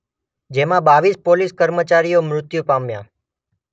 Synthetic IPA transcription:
d͡ʒemãbaʋispoliskəɾmət͡ʃaɾijomɾʊt̪jupamjã̰

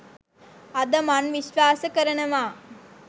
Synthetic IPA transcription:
ɐd̪ɐmɐnʋiɕʋaːsɐkɐɾɐɳɐʋaː

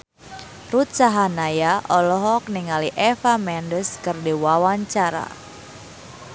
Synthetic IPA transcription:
rut̪saɦanajaʔɔlɔɦɔk̚niŋaliʔɛfamɛndəskərdiwawaɲt͡ʃaɾa̰

